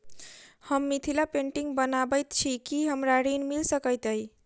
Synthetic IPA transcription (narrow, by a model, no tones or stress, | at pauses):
həmːit̪ʰilapẽɳʈiŋɡbənabəjt̪t͡ʃʰikiɦəmɾaɾinmilsəkəjt̪əji